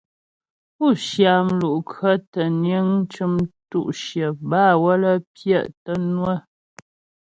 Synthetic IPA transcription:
pu˦˨ʃja˨mlu˨ʔkʰə˦tə˨njə˦ŋ˦t͡ʃɨ˦mtṵ˦˨ʔʃjə˨baː˦˨wə˦lə˦pjə˦˨ʔtə˦nwə˦˨

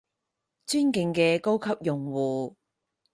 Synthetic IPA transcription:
t͡ʃyː˥nkɪ˧ŋkɛː˧ko˥wkʰɐ˥p̚jʊ˨˩ŋwuː˨˩

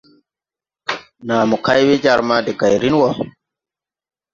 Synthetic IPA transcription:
naː˨mɔ˨ka˦jwe˦d͡ʒa˨ɾma˦dɛ˨ɡa˨jɾi˦nwɔ

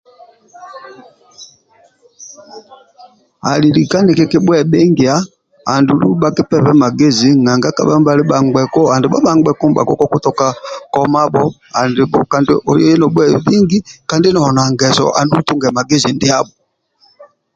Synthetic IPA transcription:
a˨li˨li˨ka˦nɛ˨kɛ˦ki˦ɓwɛ˦˨ɓɛ˦ŋɡi˨a˦ | a˨ndu˨lu˦ɓa˦ki˦pɛ˦pɛ˦ma˨ɡe˦zi˨ŋa˨ŋɡa˦ka̰˨ɓa˦m˦ba˨li˦ɓa˨ŋɡ͡bɛ˨kɔ˦a˨ndɛ˨ɓa̰˦ɓa˦ŋɡ͡bɛ˨kɔ˦m˦ba̰˨kɔ˦kɔ˦ku˦tɔ˦ka˦kɔ˦ma˦ɓɔ˦a˨ndi˨ɓɔ˨ka˨nd̰ʔɔ˨jɔ˦ɛ˦nɔ˨ɓwɛ˦˨bi˦ŋɡi˦ka˨ndi˦nɔ˨ɔ˨na˨ŋɡɛ˨zɔ̰˨ʔa̰˨ndu˦u˦tu˦ŋɡɛ˨ma˨ɡe˦zi˨ndi˦a˦ɓɔ˨

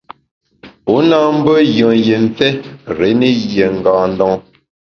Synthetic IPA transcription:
u˨˦naː˦m̩˦bə˦jə˨ŋje˨n̩˦t͡sɛ˦ɾe˨˦ne˦je˨ŋ̩˨ɡaː˨n˦dɔ˦ŋ˦

